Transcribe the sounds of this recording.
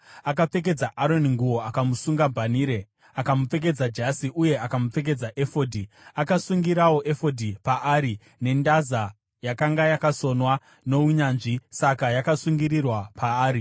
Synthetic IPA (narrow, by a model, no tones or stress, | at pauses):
akap͡fe̞k̬e̞d͡zaʔaɾo̞niŋɡuwo̞akamusuŋɡabʱaniːɾe̞ | akamup͡fe̞k̬e̞d͡zad͡ʒasiʔuje̞akamup͡fe̞k̬e̞d͡zaʔe̞fo̞dʱi | akasuŋɡiɾawo̞ʔe̞fo̞dʱipaʔaːɾi | ne̞ndaza | jakaŋɡajakaso̞nwa | no̞uɲaːnʐisakajakasuŋɡiɾirwapaːɾi